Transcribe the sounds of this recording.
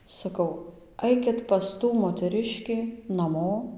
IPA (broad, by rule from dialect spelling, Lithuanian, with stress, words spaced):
sɐˈkɐʊ ˈɐɪkʲɪt pɐs ˈtuː moːtʲɛˈrʲɪʃʲkʲiː nɐˈmoː